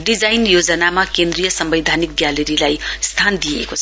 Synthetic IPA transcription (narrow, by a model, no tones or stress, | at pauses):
ɖid͡zajnjod͡zʌnamakẽnd̪rijʌsʌmbʌjd̪ʱanik̚ɡjaleɾilajst̪ʰand̪ijḛkot͡sʰ